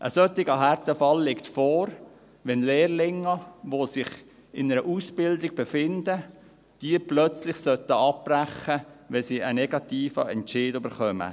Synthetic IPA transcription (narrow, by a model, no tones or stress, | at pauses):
ʔə̰sœt̪ːɪɡəɦært̪əfɑlːɪktfɔːɾ | ʋɛnleːrlɪŋːəʋosɪχ | ɪnəɾəʔusbɪldɪɡ̚b̥efɪnd̥̪ə | d̥iəplœt͡slɪχsœt̪əɑp̚ːræχəʋɛnsiənɛɡ̥ɑt̪iːfəɛnʃɪːdøbəɾχœmə̰